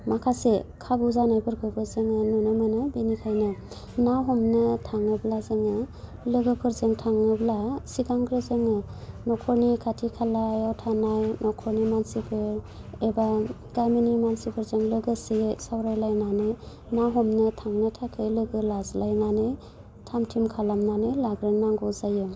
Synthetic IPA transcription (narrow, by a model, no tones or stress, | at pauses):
makʰasekʰabuzanajbɯɾɡʰɯbɯzɯŋɯnɔnɯmɯnɯbenikʰajnɯ | nawɦɔmnɯtʰaŋɯblazɯŋɯ | lɯɡɯpʰɯɾzɯŋtʰaŋɯblasiɡaŋɡɾɯzɯŋɯnɔkʰɔɾnikʰatʰikʰalajawtʰanajnɔkʰɔɾnimansipʰɯɾ | eba | ɡajminimansipʰɯɾzɯŋlɯɡɯsijsawɾajlajnanɯ | nawɦɔmnɯtʰaŋnɯtʰakʰɯjlɯɡɯlazlajnanɯj | tʰamtʰimkʰalamnanɯjlaɡɾɯŋnaŋɡɔzajɯ